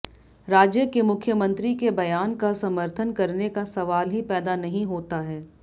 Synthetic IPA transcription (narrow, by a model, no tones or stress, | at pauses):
ɾaːd͡ʒjəkemʊkʰjəmə̃nt̪ɾikebɐjaːnkasɐməɾt̪ʰənkɐɾnekasɐʋaːlɦipɛːd̪anɐɦĩɦoːt̪aɦɛː